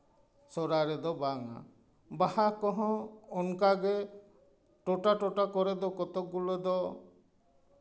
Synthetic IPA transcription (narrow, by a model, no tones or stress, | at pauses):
sɔɾaɾed̪ɔbaŋa̰ | bahakɔɦɔ̃ɔŋkaɡe | ʈoʈaʈɔʈakɔɾed̪ɔkɔt̪ɔk̚ɡulɔd̪ɔ